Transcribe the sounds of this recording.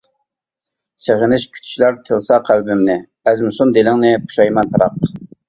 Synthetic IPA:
seʁɪnɪʃkʲʰy̥t̪ʰʃlæɾt̪ʰəlˠsɑqʰælbɪmnɪ | æzmɪsund̪elɪŋnɪpʰu̥ʃɑjmɑnpʰɑɾɑq

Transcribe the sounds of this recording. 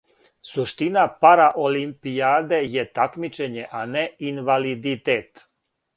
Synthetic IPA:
suʃt̪inapaɾaʔolimpiaːd̪e̞je̞t̪akmit͡ʃe̞ɲe̞ʔaneinʋalid̪it̪eːt̪

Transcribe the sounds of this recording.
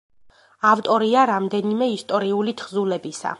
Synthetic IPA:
aft̪ʼɔɾiaɾamd̪ɛnimɛist̪ʼɔɾiulit̪ʰχzulɛbisa̰

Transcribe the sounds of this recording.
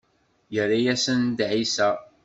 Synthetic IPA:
jəɾːajæsənd̪ʕisæ

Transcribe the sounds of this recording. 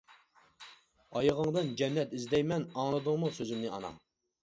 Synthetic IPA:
ɑjʁɑŋd̪ɨnd͡ʒɛnːɛt̪izd̪ɛjmɛnɑŋlˠɨd̪ʊŋmusøzymnɪɑ̰nɑ̰

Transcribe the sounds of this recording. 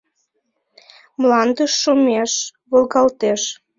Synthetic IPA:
mlɑnd̪əʃːumeʃβolɣɑlt̪eʃ

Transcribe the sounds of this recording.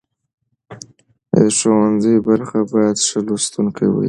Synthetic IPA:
əʂowanzəjbaɾxabɑjad̪ʂəlost̪uŋkʰajwḭ

